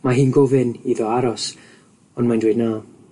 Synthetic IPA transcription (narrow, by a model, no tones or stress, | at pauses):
maɦiːnɡʊvɪniðɔaɾɔs | ɔnmajndweːdna